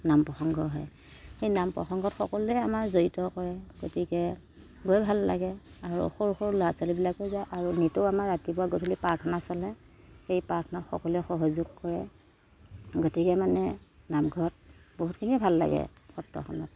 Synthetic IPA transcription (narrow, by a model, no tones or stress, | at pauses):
nampɹɔxɔŋɡɔɦɔ̰j | xejnampɹɔ̰xɔŋɡɔtxɔkɔluɛamaɹzoɹitɔkɔɹɛɡ̥otikɛ | ɡojbʱalːa̰ɡɛaɹṵxoɹuxoɹulɔasalibilakojzajʔaɹunitʊamaɹatibuaɡotʰilipaɹtʰɔnasɔlɛ | xejpaɹtʰɔnatxɔ̰kɔluɛxɔɦɔzuɡ̚kɔɹɛ | ɡotikɛmanɛnamɡʱɔɹɔt̚boɦutkʰinibʱalːa̰ɡɛ̰xɔtɹɔ̰xɔ̰nɔ̰t̚